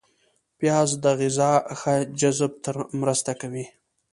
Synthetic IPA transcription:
pjɑːzd̪əɣɪzɑxad͡ʒazb̚t̪əɾmɾəst̪akawi

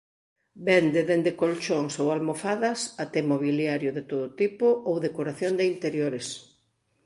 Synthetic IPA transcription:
bɛnd̪eðend̪ekolt͡ʃoŋsowalmofaðɐsat̪ɛmoβiljaɾjʊðet̪oðot̪ipʊʔowðekoɾaθjond̪eint̪eɾjoɾes

